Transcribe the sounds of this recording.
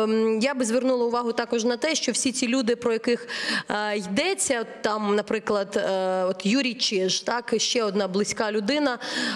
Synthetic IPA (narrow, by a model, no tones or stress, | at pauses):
jabɪzʋernulˠɐʊʋɑɦʊt̪ɑkɔʒnɐt̪ɛʃt͡ʃɔwsʲit͡sʲilʲud̪ɪpɾɔjɐkɪx | jd̪ɛt͡sʲːɐt̪ːɑmnɐpɾɪklˠɐd̪ɔt̪juɾʲijt͡ʃɪʒt̪ɑkʃt͡ʃɛɔd̪nɑblˠɪsʲkɑlʲʊd̪ɪnɐ